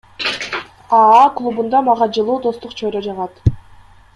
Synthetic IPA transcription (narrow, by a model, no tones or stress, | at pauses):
ɑɑklˠubund̪ɑmɑʁɑd͡ʒɯlˠuːd̪o̞st̪uqt͡ʃʰojɾod͡ʒɑʁɑt̪